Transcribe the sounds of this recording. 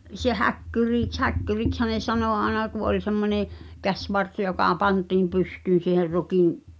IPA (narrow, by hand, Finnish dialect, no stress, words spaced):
se hækːyriˑks hækːyrikshæ ne sɑnoˑ ɑenɑ ku ʔolʲ semːoneˑ kæsʲʋɑrs jokɑ pɑntiːm pystyːn̞ siːher rukim